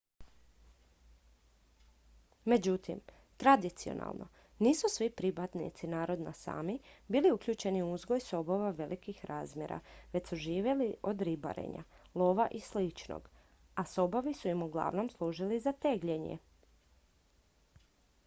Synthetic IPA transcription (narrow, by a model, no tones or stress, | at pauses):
me̞d͡ʑut̪ḭm | t̪ɾad̪it̪sio̰nʔa̰lˠno̞̰ | niːsusʋipɾibat̪nḭt̪sinaːɾo̞d̪nasa̰ːmibiːliukʎʲuːt͡ɕe̞niuuzɡo̞jso̞bo̞ʋaʋe̞lʔikixɾʔaːzmʲjḛɾa̰ʋe̞csuʒiːʋje̞liʔo̞d̪ɾiba̰ɾḛɲa̰lˠoːʋaʔislit͡ʃno̰ɡ̥ | aso̞boʋisuimuɡlˠa̰ʋno̞mslˠuːʒilizat̪e̞ɡʎeɲḛ